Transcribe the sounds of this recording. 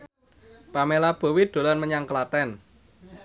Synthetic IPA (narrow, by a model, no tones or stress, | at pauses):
pamelab̥o̤wid̪̥o̤lanməɲaŋklat̪ɛn